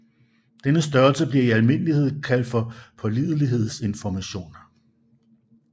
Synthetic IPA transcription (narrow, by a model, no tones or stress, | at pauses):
d̥enəsd̥ɶɐlsəb̥liɐiælme̝n̰əlihe̝ð̞̰ˠkʰæl̰d̥fɒ̽pʰɒ̽lið̞ˠəliɦe̝ð̞̰ˠse̝nfɒmæɕo̝̰ːnɐ